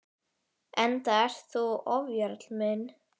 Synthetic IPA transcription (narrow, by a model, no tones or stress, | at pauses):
ɛnt̪aɛɾ̥t̪θuɔvjaɾt̪lmɪn